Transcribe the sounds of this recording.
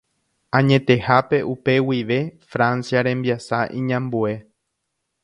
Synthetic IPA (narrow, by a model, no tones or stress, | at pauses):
ãɲẽ̞t̪e̞hape̞ʔupe̞wiʋefɾãnsjaɾẽ̞mbiasaʔĩɲãmbue̞